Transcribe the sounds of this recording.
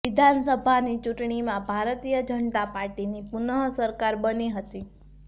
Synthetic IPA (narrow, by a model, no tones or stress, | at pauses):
ʋɪd̪ʱansəbʱanit͡ʃuʈɳ̃imãbʱaɾt̪ijəd͡ʒəɳt̪apaɾʈinipunəɦsəɾkaɾbəniɦət̪i